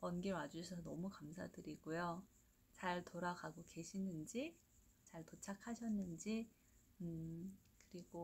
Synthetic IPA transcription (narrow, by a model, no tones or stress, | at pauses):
wʌnɡewad͡ʑusʰʌsʰʌnʌmukamsʰa̰dɯɾiɡ̥ojo | t͡ɕaɭtoɾaɡaɡoke̞ɕʰinɯnd͡ʑi | t͡ɕaɭtot͡ɕʰakʰaɕʰʌnːɯnd͡ʑi | ɯ | kɯɾiɡo